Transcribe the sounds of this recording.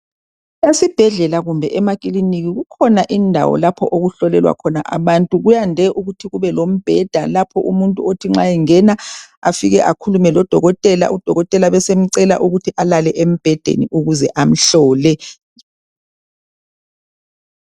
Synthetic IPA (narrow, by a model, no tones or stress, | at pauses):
esib̥ʱɛɮɛlaɣumbʱɛ̰ʔɛmakʼiliniɣiɣukʰɔnaʔindʱa̰wɔ̰lapʰɔʔoɣuɬɔlɛlwa̰kʰɔna̰ʔa̰βantʼuɣujandʱɛʔuɣutʰiɣuβɛlom̩b̥ʱɛd̥ʱalapʰɔʔṵmuntʼuotʰiŋ͡ǁajiŋɛnaafiɣɛʔakʰulumɛlɔd̥ʱɔɣɔtʼɛla̰ʔud̥ʱɔɣɔtʼɛlaβɛsem̩ǀɛla̰ʔuɣutʰiʔalalɛʔem̩b̥ʱɛd̥ʱḛniʔuɣuzɛʔam̩ɬɔːlɛ